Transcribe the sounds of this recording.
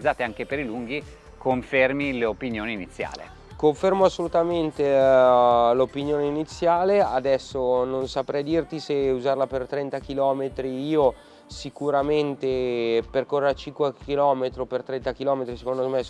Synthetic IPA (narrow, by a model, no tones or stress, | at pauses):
d̪zːaːt̪eaŋkepeɾiluŋɡi | koɱfermileopinjoːninit̪sːja̰ːlḛ | koɱfermoasːolut̪ament̪e | lopinjoːneinit̪sːjaːlead̪ɛsːononsapɾɛjd̪irt̪iseuzarlapert̪ɾɛnt̪akilɔːmet̪ɾiiːo | sikuɾament̪eperkorːeat͡ʃiŋkwekilɔːmet̪ɾopert̪ɾɛnt̪akilɔːmet̪ɾisekond̪ome